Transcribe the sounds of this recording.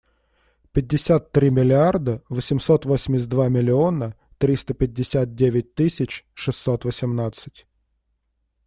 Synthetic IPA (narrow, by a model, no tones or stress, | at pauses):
pʲɪd̚ʲːɪsʲat̪ːɾʲimʲɪlʲɪard̪əvəsʲɪmso̞t̪vosʲɪmʲɪs̬ʲd̪vamʲɪlʲɪonə | t̪ɾʲist̪əpʲɪdʲːɪsʲat̪̚dʲevʲɪt̚ʲt̪ɨsʲɪt͡ɕʂɨsːo̞t̪vəsʲɪmnat̪sɨ̥tʲ